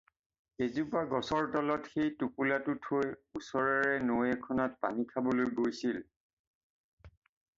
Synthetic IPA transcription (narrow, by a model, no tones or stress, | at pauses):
ezupaɡɔsɔɹtɔlɔtxejtupulatʊtʰojusɔɹaɹɛnojɛkʰɔnɔt̚pa̰nikʰabolojɡojsil